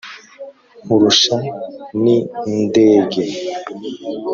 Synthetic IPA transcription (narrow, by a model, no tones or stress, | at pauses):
huɾuʃanindeːɡe